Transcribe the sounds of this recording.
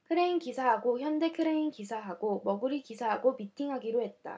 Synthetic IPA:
kʰɯɾeinkisʰaɦaɡoçjʌnde̞kʰɯɾe̞inkisʰaɦaɡomʌɡɯɾikisʰaɦaɡomitʰiŋɦaɡiɾoɦe̞t̚t͈a̰

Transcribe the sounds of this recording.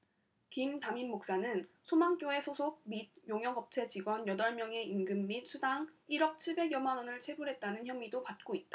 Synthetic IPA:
kimtaminːok̚s͈anɯnsʰomaŋk͈joe̞sʰosʰoɡ̚mid̚joŋjʌŋɦʌp̚t͡ɕʰe̞t͡ɕiɡwʌnjʌdʌɭmjʌŋe̞inɡɯmːit̚sʰudaŋiɾʌk̚t͡ɕʰiɭbe̞ɡjʌmanwʌnɯɭt͡ɕʰwe̞buɾɦe̞t̚t͈anɯnçjʌmidopat̚k͈oit̚t͈a

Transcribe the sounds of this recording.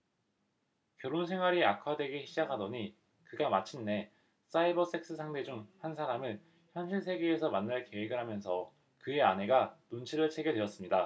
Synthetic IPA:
kjʌɾonsʰe̞ŋɦwaɾiakʰadeɡeɕʰid͡ʑakʰɦadʌɲi | kɯɡamat͡ɕʰinːe̞ | s͈aibʌs͈e̞k̚s͈ʰɯsʰaŋde̞d͡ʑuŋhansʰaɾamɯn | çjʌnɕʰiɭsʰe̞ɡe̞ːsʰʌmanːaɭke̞weɡɯɾɦamjʌnsʰʌ | kɯe̞anɦe̞ɡanont͡ɕʰiɾɯɭt͡ɕʰe̞ɡedwe̞ʌs͈ɯmɲida

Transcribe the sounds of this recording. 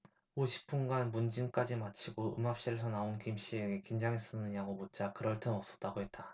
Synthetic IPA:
oɕʰi̥p͈unɡanmund͡ʑink͈ad͡ʑimat͡ɕʰiɡoʔɯmap̚ɕ͈iɾesʰʌnaonkimɕ͈ieɡe̞kind͡ʑaŋis͈ʌnːɯɲaɡomot̚t͡ɕ͈akɯɾʌɭt͈enʌp̚s͈ʌt̚t͈aɡoɦe̞t̚t͈a

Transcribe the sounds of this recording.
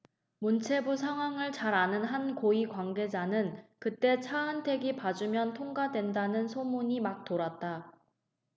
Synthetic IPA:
munt͡ɕʰe̞bus̬ʰaŋɦwaŋɯɭt͡ɕaɾanɯnɦankoikwaŋɡe̞d͡ʑanɯnkɯt͈e̞t͡ɕʰaɯntʰe̞ɡipad͡ʑumjʌntʰoŋɡadwe̞ndanɯnsʰomuɲimak̚t͈oɾat̚t͈a

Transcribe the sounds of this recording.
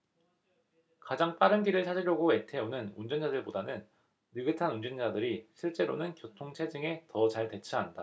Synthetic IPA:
kad͡ʑaŋp͈aɾɯnɡiɾɯɭsʰad͡ʑiɾjʌɡoe̞tʰe̞onɯnund͡ʑʌnd͡ʑadɯɭpodanɯnː | ɯɡɯtʰanund͡ʑʌnd͡ʑadɯɾiɕʰiɭt͡ɕ͈e̞ɾonɯnkjotʰoŋt͡ɕʰed͡ʑɯŋe̞tʌt͡ɕaɭte̞t͡ɕʰɯanda

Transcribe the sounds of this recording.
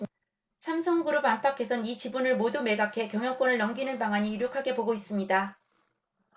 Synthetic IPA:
sʰamsʰʌŋɡuɾopampʰakʰe̞sʰʌnit͡ɕibunɯɭmodume̞ɡakʰe̞kjʌŋjʌŋk͈wʌnɯɭːʌŋɡinɯnpaŋaɲiːɾjokʰaɡe̞poɡois͈ɯmɲida

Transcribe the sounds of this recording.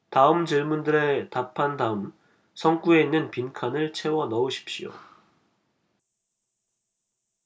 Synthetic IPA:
taɯmd͡ʑiɭmundɯɾe̞tapʰandaɯm | sʰʌŋk͈ue̞inːɯnpinkʰanɯɭt͡ɕʰe̞wʌnʌuɕʰi̥p̚ɕ͈io̰

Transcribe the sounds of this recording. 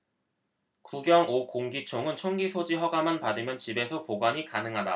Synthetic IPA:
kuɡjʌŋokoŋɡit͡ɕʰoŋɯnt͡ɕʰoŋɡisʰod͡ʑiɦʌɡamanpadɯmjʌnt͡ɕibe̞sʰʌpoɡwaɲikanɯŋɦada̰

